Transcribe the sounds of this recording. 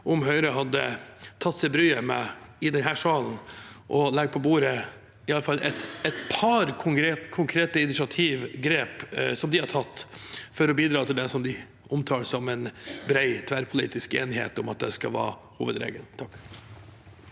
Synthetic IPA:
ʔʊmɦœʏɾəɦɑd̪ːə̰t̪ʰɑt̪ːsɛɪbɾyːəmɛ̰ɪd̪ɛnɦæːʂɑːln̩ʔɔlɛɡ̚pʰɔbuːɾə | ɪɑlːəfɑlːʔɛt̪ɛt̪pʰɑɾkʰʊŋɾekʰʊŋkʰɾeːt̪əɪnɪʃɑt̪ʰiːʋɡɾeːpsɔmd̪ɪhɑɾʈʰɑt̪ːfɔɾɔbiːd̪ɾɑːt̪ʰɪld̪ɛsɔmd̪ɪ | ʔʊmt̪ʰɑːɾsɔmɛnbɾæɪt̪ʰʋæɾpʰʊlḭːt̪ɪskḛːnɦḛːt̪ʊmɑt̪̚d̪ɛ̰skɑʋɑ̰ːhṵːʋəd̪ɾḛːɡə̰lt̪ʰɑkː

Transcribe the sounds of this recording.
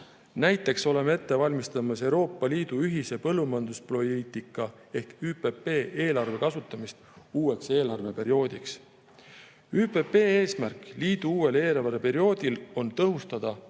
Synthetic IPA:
næjt̪ˑːe̞kso̞le̞mee̞t̪ːe̞vɑlʲmist̪ɑmɑse̞wɾo̞ːpˑːɑliːd̪̥uyɦise̞pɤlːumɑnd̪̥usplo̞liːt̪ikːˑɑ | e̞hkyːpe̞pːe̞ːʔeːlɑrve̞kɑsut̪ːˑɑmist̪uːwe̞kse̞ːlɑrve̞pe̞ɾio̞ːd̪̥iks | yːpe̞pe̞ːeːsmærkˑliːd̪uuːwe̞le̞ːlɑɑɾepe̞ɾio̞ːd̪̥ilo̞nt̪ɤɦust̪ɑd̪̥ɑ

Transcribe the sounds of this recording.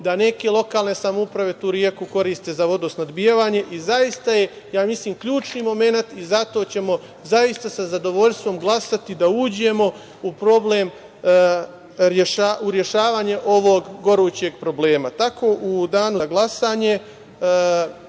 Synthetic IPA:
d̪ane̞ke̞lˠo̞kaːlne̞samoupɾaʋe̞t̪uːɾjekuko̞ɾiːst̪e̞ːzaʋo̞d̪osnad̪bijeʋaːɲe̞ʔizajist̪aje̞ | jaːmisliːmkʎuːt͡ʃnimo̞me̞nat̪izat̪o̞t͡ɕe̞mo̞ | zajist̪asazad̪o̞ʋo̞ʎst̪ʋo̞mɡlˠasat̪id̪auːd͡ʑe̞mo̞ | upɾo̞bleːm | ɾjeʃaʔuɾje̞ʃaːʋaːɲeʔo̞ʋoɡɡo̞ɾuːt͡ɕe̞ɡpɾo̞ble̞ːmat̪ako̞ːʔud̪aːnuɡlˠasaːɲe̞

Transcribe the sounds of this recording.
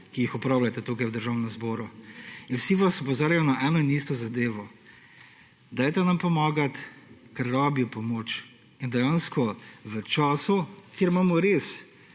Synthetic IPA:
kijixɔpɾaːwlʲat̪ɛt̪uːkajwd̪əɾʒaːwnɛmzbɔːɾuinwsiʋasɔpɔzaːɾjajɔnaʔɛnɔniːst̪ɔzad̪eːʋɔ | d̪aːjt̪ɛnɐmpɔmaːɡat̪kaɾːaːbiɔpɔmoːt͡ʃ | ind̪ɛjanskɔʋət͡ʃaːsukjeɾmaːmɔɾes

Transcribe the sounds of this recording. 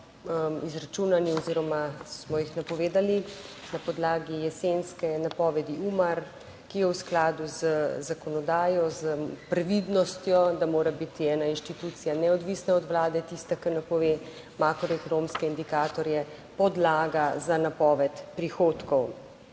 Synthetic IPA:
izɾat͡ʃuːnaniɔziɾɔmasmɔjixnapɔʋeːd̪alinapɔd̪laːɡijɛsenskɛnapɔːʋɛd̪iumaɾ | kijɛwsklaːd̪uzəzakɔnɔd̪aːjɔzəpɾɛʋid̪nɔst̪jɔd̪amoːɾabit̪iɛːnainʃt̪it̪uːt̪sijanɛɔd̪ʋisnaɔd̪ʋlaːd̪ɛt̪ist̪akɐɾnɛpɔʋe | makɾɔɛkɔnomskɛind̪ikaːt̪ɔɾjɛ | pɔd̪laːɡazanapɔːʋɛt̪pɾixoːt̪kɔw

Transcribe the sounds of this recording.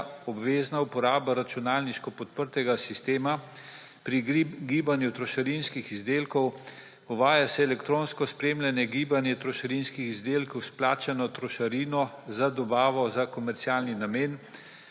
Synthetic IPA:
ɔbʋeːznaupɔɾaːbaɾat͡ʃunaːlniʃkɔpɔt̪̚pəɾt̪ɛɡasist̪eːma | pɾiɡiːbanjut̪ɾɔʃaɾinskixizd̪eːlkɔw | uʋaːjasɛɛlɛkt̪ɾoːnskɔspɾeːmlanɛɡiːbanjɛt̪ɾɔʃaɾinskixizd̪eːlkɔwsplaːt͡ʃanɔt̪ɾɔʃaɾiːnɔzad̪ɔbaːʋɔzakɔmɛɾt̪siaːlninameːn

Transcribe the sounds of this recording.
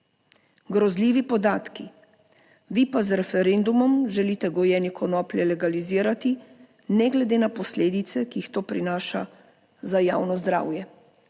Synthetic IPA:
ɡɾɔzlʲiːʋipɔd̪aːt̪ki | ʋipazɾɛfɛɾeːnd̪umɔmʒɛliːt̪ɛɡɔjɛːnikʰɔnɔːpljɛlɛɡaliziːɾat̪i | nɛɡlɛd̪eːnapɔsleːd̪it̪sɛkiːxt̪oːpɾinaːʃa | zajaːwnɔzd̪ɾa̰ːwjɛ

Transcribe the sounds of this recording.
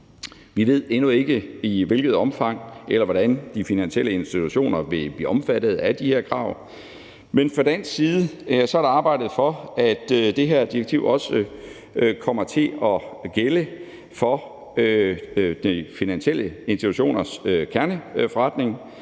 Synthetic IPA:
ʋiʋe̝ð̞̰ˠenue̝ɡ̥əiʋe̝lɡ̥ð̞̩ˠɒ̽mfɑ̈ŋ̰elɐʋɒɾænd̥ifinænɕel̰əe̝nsd̥it͡sʰuɕo̝̰ːnɐʋe̝b̥lḭːɒ̽mfæd̥ð̞̩ˠæd̥iheɐ̰kʰʁɑ̈ʊ̰ | menfʁɑd̥æn̰sːiːð̩ˠəsɒ̽æɐɾ̥eɑ̈ːb̥ɑ̈ɪ̰d̥ð̩ˠfɒ̽æd̥d̥e̝ɦeɐ̰d̥iɐɡ̥̚t͡sʰiʊʔɒ̽sə | kʰɒ̽m̰ɐt͡sʰe̝ɒ̽ɡ̥elə | fɒ̽ | ød̥ifinænɕiel̰ʔəensd̥it͡sʰuɕo̝̰ːnɐsøkʰæɐnəfɒʁad̥ne̝ŋ

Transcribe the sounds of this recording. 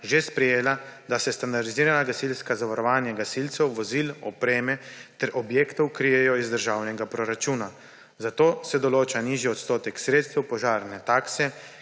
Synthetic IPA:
ʒespɾɛjeːlad̪asɛst̪and̪aɾd̪iziːɾanaɡasilskazaʋaɾɔʋaːnjaɡasilt̪sɛwʋɔzilɔpɾeːmɛt̪ɛɾʔɔbjeːkt̪ɔwkɾijɛjɔizd̪əɾʒaːwnɛɡapɾɔɾat͡ʃuːna | zat̪oːsɛd̪ɔloːt͡ʃaniːʒiɔt̪st̪oːt̪ɛksɾeːt̪st̪ɛwpɔʒaːɾnɛt̪aːksɛ

